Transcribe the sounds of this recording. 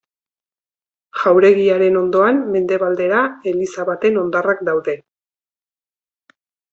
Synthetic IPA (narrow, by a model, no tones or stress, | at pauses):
ʝawɾe̞ɣiaɾe̞no̞nd̪o̞amme̞nd̪e̞βald̪e̞ɾae̞lisaβat̪e̞no̞nd̪arakd̪awðe̞